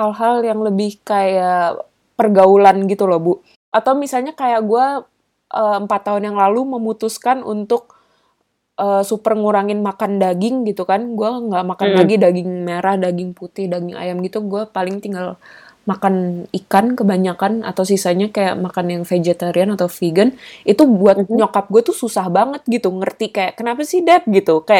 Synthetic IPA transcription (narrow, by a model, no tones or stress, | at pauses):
halɦaljaŋləbɪhkaja | pərɡaulanɡit̪ulobu | ʔat̪awmisalɲakajaʔɡua | ʔəəmpat̪ːaɦʊnjaŋlaluməmut̪uskanṵnt̪ʊk̚ | ʔəːsupərŋuɾaŋɪnmakandaɡɪŋɡit̪ukanɡuaŋɡaʔmakanlaɡidaɡɪŋmeɾahdaɡɪŋput̪ɪhdaɡɪŋa̰jamɡit̪uɡuapalɪŋt̪iŋɡalmakanikankəbaɲakana̰t̪aws̬isaɲakaja̰ʔmakanjaŋfed͡ʒet̪aɾianat̪awfiɡənit̪ubuat̪̚ɲokap̚ɡuat̪ususahbaŋət̪̚ɡit̪uŋərt̪ikajaʔkənapasidap̚ɡit̪ukajaʔ